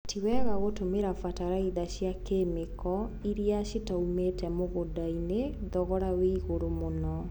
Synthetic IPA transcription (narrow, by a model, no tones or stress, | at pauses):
tʰiwɛɣaɣotomeɾafataɾaiðaɕjakemekʰɔiɾiaʃitaumetɛmoɣodaineðɔɣɔɾaweiɣoɾomonɔ